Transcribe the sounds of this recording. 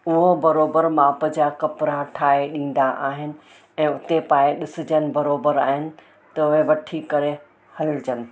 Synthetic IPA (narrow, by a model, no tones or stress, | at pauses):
ʊɦobɐɾoːbəɾmãːpəd͡ʑakɐpɾaʈʰaːeɗĩːn̆d̪aʔaːɦɪnɪ̆ | ɛ̃ːʊt̪epaːeɗɪsɪ̆d͡ʑənɪ̆bɐɾoːbəɾaːɦɪnɪ̆ | t̪ɐʊɦeʋɐʈʰikɐɾe | hɐld͡ʑɐnɪ̆